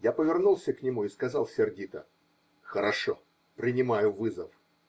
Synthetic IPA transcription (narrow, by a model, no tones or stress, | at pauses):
japəvʲɪrnulˠsʲəknʲɪmuɪskɐzɑlˠsʲɪrdʲit̪ə̰ | xəɾɐʂo̰ | pɾʲɪnʲɪmajʊvɨzəf